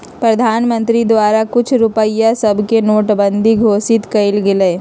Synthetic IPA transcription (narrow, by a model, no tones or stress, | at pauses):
pɾɐd̪ʱaːnmə̃nt̪ɾid̪ʋaːɾakʊt͡ʃʰɾʊpəɪjasɐbʱkenoːʈbə̃nd̪ʱiɡʱoːsɪt̪kɐɪlɡɪleː